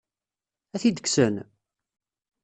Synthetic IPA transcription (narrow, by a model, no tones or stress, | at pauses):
æθid̪əksən